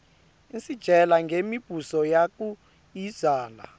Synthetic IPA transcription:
insid̥ʒ̥ʱɛlaŋɡʱemib̥ʱusɔjak̬ʼu | i̥z̥aːla̰

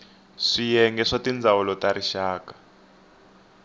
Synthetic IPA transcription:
ʂijɛŋɡɛʂatind͡zʱawɔlɔtaɾiʃaːkḁ

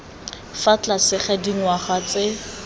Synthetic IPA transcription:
fat͡ɬasɪχɛdiŋ̩waχwat͡sɪ

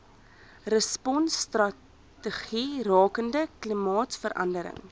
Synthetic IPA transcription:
rəspɔnsːtrɐ | təχirɑːkəndəklimɑːtfəɾʔɐ̰ndəɾə̰ŋ

